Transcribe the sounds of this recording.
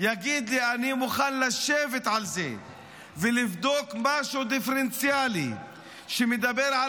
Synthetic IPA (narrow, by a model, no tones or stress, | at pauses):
jaɡid̪lianimuχanlaʃevet̪ʕalzḛ | velivd̪o̞kmaʃud̪ifeɾent͡sjalḭ | ʃemed̪abeɾʕa